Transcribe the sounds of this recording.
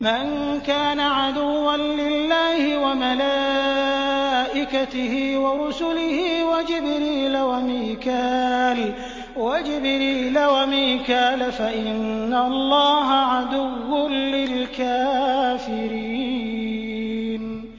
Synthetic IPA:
man | kaːnaʕad̪ʊwːanlɪlːaːhɪwamala | ʔɪkat̪ɪhiːwaɾʊsʊlɪhiːwad͡ʒɪbɾiːlawamiːkaːl | wad͡ʒɪbɾiːlawamiːkaːlafaʔɪnːalˤːɑːɦaʕad̪ʊwːʊnlɪlkaːfɪɾiː | n

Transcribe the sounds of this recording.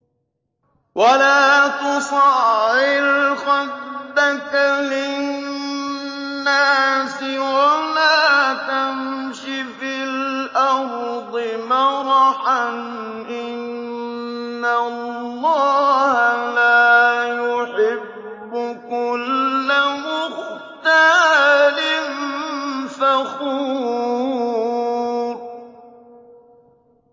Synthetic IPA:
wʔalaːt̪ʊsɑɪlxɑd̪ːakalɪ | nnːaːsɪwalaːt̪amʃifillʔaɾd̪ˤɪmɑɾˤʔan | ʔɪnː | alːɑːhalaːjʊħɪbbː | ʊkʊlːamʊx | t̪alɪn | faxuː | ɾ

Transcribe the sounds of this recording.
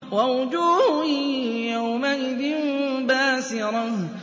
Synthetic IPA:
wawʊd͡ʒuːhʊjawmaʔɪðɪnbaːsɪɾˤɑh

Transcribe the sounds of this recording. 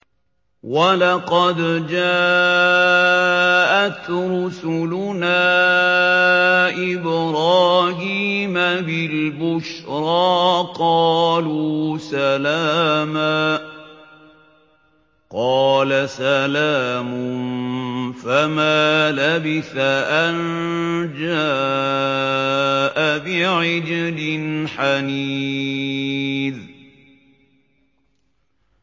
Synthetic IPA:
walɑqɑd̪d͡ʒaːʔ | ʔat̪ɾʊsʊlʊnaː | ʔɪbɾˤɑːɦiːmabɪlbʊʃɾˤɑːqɑːluːsalaːmaː | qɑːlasalaːmʊnfamaːlabɪθaʔand͡ʒaː | ʔabɪʕɪd͡ʒɪd̪ɪnħaniː | ð

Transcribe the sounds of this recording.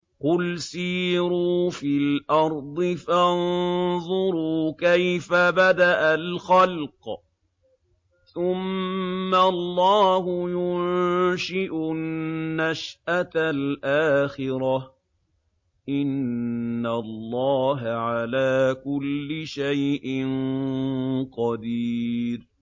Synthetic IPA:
qʊlsiːɾuːfilʔɑɾˤd̪ˤɨfanðˤʊɾuːkajfabad̪aʔalxalq | θʊmː | alːɑːɦʊjʊnʃɪʔʊː | aʃʔat̪alʔaːxɪɾɑ | ʔɪnː | alːɑːɦaʕalaːkʊlːɪʃajʔɪn | qɑd̪iːɾ

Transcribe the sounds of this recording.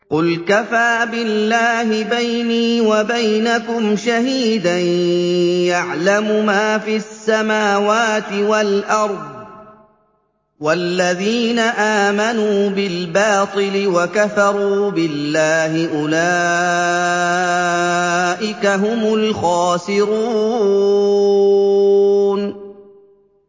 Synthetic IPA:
qʊlkafaːbɪlːaːɦɪbajniːwabajnakʊmʃaɦiːd̪anjaʕlamʊmaːfiasːamaːwaːt̪ɪwalʔɑɾˤd̪ˤ | walːaðiːnaʔaːmanuːbɪlbɑːt̪ˤɨlɪwakaθɑɾˤuːbɪlːaːhɪʔʊla | ʔɪkaɦʊmʊlxɑːsɪɾuː | n

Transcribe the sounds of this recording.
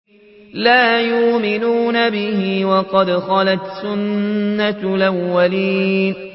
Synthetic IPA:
laːjʊʔmɪnuːnabɪhɪwɑqɑd̪xɑlat̪sʊnːalʔawːaliːn

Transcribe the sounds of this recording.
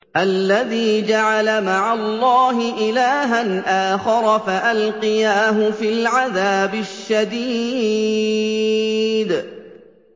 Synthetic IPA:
ʔalːaðiːd͡ʒaʕalamaʕalˤːɑːɦɪʔɪlaːɦanʔaːxɑɾˤɑfaʔalqɨjaːɦʊfilʕaðaːbɪʃːad̪iː | d̪

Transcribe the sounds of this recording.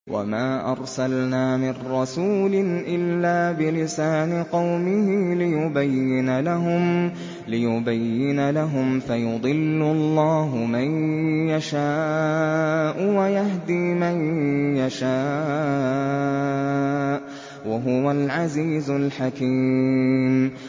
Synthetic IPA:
wʔa̰maːʔɑɾˤsalnaːmɪnɾɑsuːlɪnʔɪlːaːbɪlɪsaːnɪqɑwmɪhɪlɪjʊbajːɪnalaɦʊm | lɪjʊbajːɪnalaɦʊmfajʊd̪ˤɨlːʊlˤːɑːɦʊmanjaʃaː | ʔʊwajaɦd̪iːmanjaʃaː | ʔ | waɦʊwalʕaziːzʊlħakiːm

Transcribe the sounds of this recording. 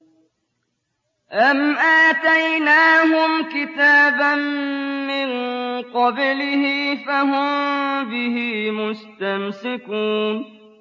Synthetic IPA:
ʔamʔaːt̪ajnaːɦʊmkɪt̪aːbanː | ɪnqɑblɪhɪfaɦʊmbɪhiːmʊst̪amsɪkuːn

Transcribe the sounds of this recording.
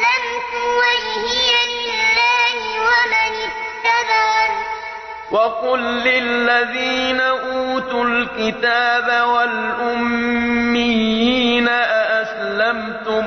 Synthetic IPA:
lamt̪ʊwajhɪjalɪlːaːhɪwamanɪkt̪ːaðaː | wɑqʊlːɪlːaðiːnaʔuːt̪ulkɪt̪aːbawalʔʊmː | ɪjiːnaʔaʔaslamt̪ʊ

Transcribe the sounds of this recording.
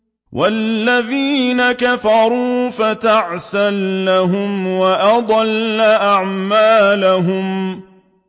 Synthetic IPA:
wʔalːaðiːnakafɑɾˤuːfat̪aʕsalːaɦʊmwaʔɑd̪ˤɑlːaʔaʕmaːlaɦʊm

